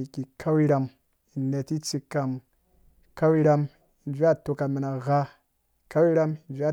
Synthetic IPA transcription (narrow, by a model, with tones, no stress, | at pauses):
i˨ki˨kʰa˦wi˦ɾa˧m | i˨ne˨ti˦t͡si˧kːa˨m˨ | ka˦wi˦ɾa˧m | i˨nd͡ʒʷi˦a˦˨to˨ka˨mi˨na˨ɣa˦ | i˨ka˦wi˦ɾa˦mi˨nd͡ʒʷi˦a˦˨